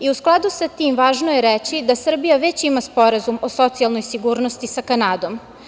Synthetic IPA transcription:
iusklˠad̪usat̪iːmʋaːʒnojeɾet͡ɕid̪asr̩bijaʋe̞t͡ɕimaspo̞ɾazumo̞so̞t̪sialˠno̞jsiɡuːɾnost̪isakanaːd̪o̞m

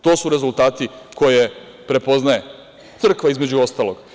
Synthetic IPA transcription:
t̪o̞ːsuɾe̞zult̪aːt̪iko̞je̞ | pɾe̞po̞znaje̞ | t̪sr̩kʋaizme̞d͡ʑuost̪aːloɡ

